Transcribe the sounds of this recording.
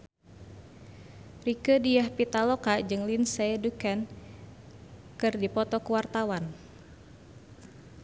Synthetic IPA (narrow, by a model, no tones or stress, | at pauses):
rikədijahpit̪alɔkad͡ʒɨŋlinsaɛdukɛn | kɨrdipɔt̪ɔkuwart̪awan